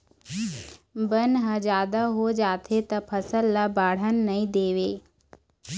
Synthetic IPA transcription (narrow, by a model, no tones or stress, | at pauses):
bənɦə̃d͡ʒaːd̪aɦod͡ʒaːt̪ʰet̪ɐpʰɐsəlːabaːɽ̤ənːɐĩd̪eːʋeː